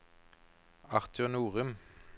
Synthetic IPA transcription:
ɑʁt̪ʰʉnuːʁʉm

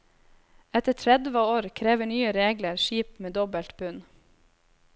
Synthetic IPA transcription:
ɛt̪əʈʰɾɛd̪ʋəoːɾkʰɾeːʋəɳyːəɾeːɡləɾʃiːpmeːd̪ɔbəlt̪bʉn

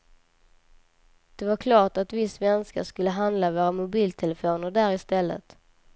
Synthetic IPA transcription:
d̪̥ɛvaɾkʰlɑːʈat̪vɪsvɛnska̰ʂkɵlːəɦand̪lavoːɾamʊbiːlt̪ʰɛlɛfoːnəɖæːɾɪst̪ɛlːə̰t̪

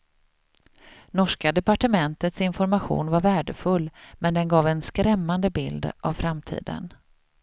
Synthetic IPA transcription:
nɔʂkad̪ɛpaʈəmɛnt̪ət̪sɪnfɔɾmaɧṵːnvaɾvæːɖəfɵlːmɛnd̪ɛnɡɑːvɛnskɾɛmːand̪əbɪld̪ʔa̰vfɾamt̪ʰḭːd̪ə̰n

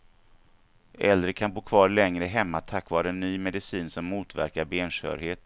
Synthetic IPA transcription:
ʔɛ̰ld̪ɾəkʰanboːkʰvɑːɾlɛŋɾəɦɛmːat̪ʰakːvɑːɾəɛnːyːmɛd̪ɪsiːnsɔmːuːt̪væ̰ɾkaɾbeːnʂœ̰ːɾheːt̪

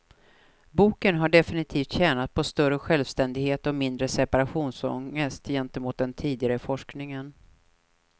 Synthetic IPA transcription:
buːkənɦaɖɛfɪnɪt̪ʰiːft̪ɕɛːnat̪̚pʰɔst̪œɾəɧɛlvst̪ɛnd̪ɪɡheːt̪ɔmɪnd̪ɾəsɛpaɾaɧuːnsɔ̰ŋəst̪jɛnt̪əmuːt̪̚d̪ɛnt̪ʰiːd̪ɪɡaɾəfɔʂknɪŋən

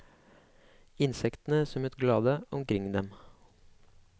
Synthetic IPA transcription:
ɪnsɛkt̪n̩əsɔmɛt̪ɡlɑːd̪əʔɔmkʰɾɪŋd̪ɛm

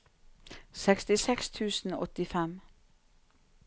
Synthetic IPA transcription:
sɛkst̪ɪsɛkst̪ʰʉːsn̩ɔt̪ɪfɛm

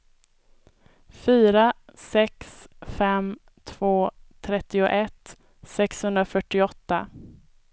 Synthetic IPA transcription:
fyːɾasɛksfɛm | t̪ʰv̥oːt̪ʰɾɛt̪ːɪʊʔɛt̪ | sɛkshɵnd̪ɾafœʈːɪɔt̪ːa

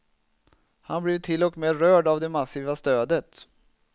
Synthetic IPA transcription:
hanblɪvt̪ʰɪlːɔkmeːɾœːɖavd̪ɛmasiːvast̪øːd̪ət̪

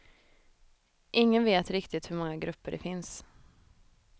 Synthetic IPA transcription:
ʔɪŋːənveːt̪ɾɪkt̪ɪt̪hɵɾmɔŋːaɡɾɵpːəɖɛ̰fɪns

